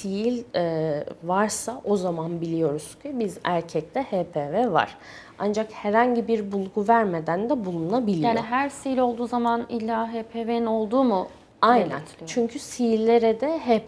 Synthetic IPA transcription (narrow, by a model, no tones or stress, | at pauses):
ssijilʲɛvaɾsaʔo̞zamanbilʲijo̞ɾuz̥cʰibizæɾcʰɛc̚t̪ʰɛheːpʰeːvɛva̰ɾ̥ | a̰nd͡ʒakhɛɾhaɲɟibiɾbulˠɡuvæɾmed̪ænd̪ɛbulˠununabilʲiaːoniɦæɾsijilʲo̞lˠd̪uːzamanilʲːaːɦepʰeveno̞lˠd̪uːmʊ | ajnæ̰nt͡ʃʰyɲcʰysijilʲːe̞ɾɛd̪ɛɦep